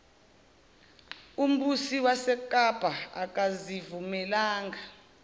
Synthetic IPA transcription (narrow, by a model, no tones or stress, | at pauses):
um̩busiwasɛkʼab̥ʱaak̬ʼazivumɛlaːŋa